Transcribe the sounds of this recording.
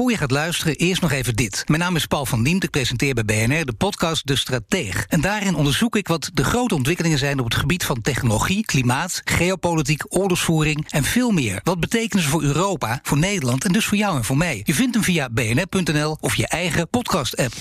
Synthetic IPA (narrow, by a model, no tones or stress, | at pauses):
ʊːɹjəχaːtlœɥstərəʔɪːɹstnɔχejvəndɪtmɛjnaːmɪspɑwlˠvɑndimtɪk̚prejzɛntɪːɹbɛjbejɛnɛɹdəpɔtkɑst̚dəstraːteχɛndaːrɪnɔndəɹzukɪkʋɑtdəχrowtəɔntʋɪkəlɪŋənzɛjnɔpətχəbitfɑntɛχnoloχiklimaːtχejowpolit̬ikɔɹlɔsfuːrɪŋɛnv̥ɪːlˠmɪːɹʋɑd̚bətejkənəzəvʊːɹøːrowpaːv̥ʊːɹnejdəlɑntɛndɵsfʊːɹjɑwɛnvʊːɹmɛjjəvɪntəmvijabejɛnɛɹpɵntɛnɛlˠɔfjəʔɛjχəpɔtkɑstɛp